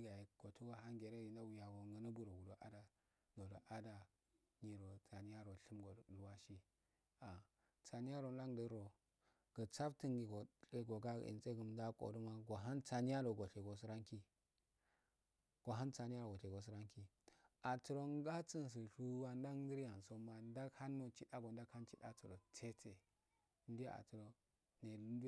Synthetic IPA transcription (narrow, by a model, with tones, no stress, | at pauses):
i˦ɡa˨ji˨ɡ̥o˨tu˦ɡa˨ɦa˦ŋɡe˨ɾe˦i˨nda˦wu˨ja˨ɡo˨ŋɡa˨˦na˦bu˨ɾo˨wu˨do˨ʔa̰˦da˨ | do˨do˨ʔa˦da˨ | ɲi˨ɾo˨t͡sa˨ni˦ja˦ɾo˨ɬi˦mɡo˨lu˨wa˦ʃi˦ | a˨ | t͡sa˨ni˦a˦ɾo˨n˦da˦ŋ˦də˦ɾo˨ | ɡ̥ə˨t͡sa˦btə˦ŋɡi˨ɡo˨e˦ɡo˨ɡa̰˦˨ḭ˨nt͡sʼe˦ɡə˨mda˦kʼo̰˨du˦ma˦ɡo˨ɦa˦nt͡sa˨ni˦ja˦ɾo˨ɡo˨ɬe˨ɡo˨s̬i˦ɾa˦ŋki˦ | ɡ̥o˨ɦa˦nt͡sa˨n˦a˦ɾo˨o˨ɬe˨ɡo˨s̬u˦ɾa˦ŋki˨ | a˨tu˨ɾo˦ŋ˦ɡa˦t͡sə˦n˨s̬i˨ɬu˦wa˦n˦da˦ŋ˦də˦ɾja˨nso˦ma˨n˦da˦kha˦nːo˨t͡ʃi˦da˦ɡo˨nda˦kha˦nt͡ʃi˦da̰˦t͡su˨ɾo˨t͡sʰe˦te˨˦ | n˦di˦a̰˨tu˨ɾo˦ | ne˨˦d